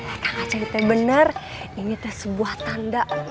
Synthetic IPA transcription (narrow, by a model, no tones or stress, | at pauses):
ak̪akat͡ʃait̪ɛbənərinit̪ɛsəbuaht̪andaʔ